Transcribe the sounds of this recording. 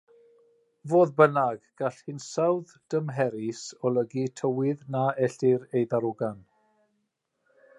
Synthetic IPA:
voːðbənaɡɡ̥aɬhɪnsawð | d̥əmɦɛɾɪsɔləɡitʰəwɪðnaɛɬɪɾejðaɾʊɡan

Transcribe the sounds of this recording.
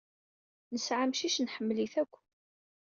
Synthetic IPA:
nəsʕamʃiʃnħəmːliθækʷː

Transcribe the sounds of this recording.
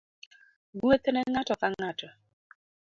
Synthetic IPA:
ɡuet̪enɛŋatɔkaŋŋatɔ

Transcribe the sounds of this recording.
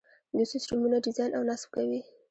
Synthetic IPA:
d̪əsusʈumunaɖɪzɑjnʔawnasb̚kawi

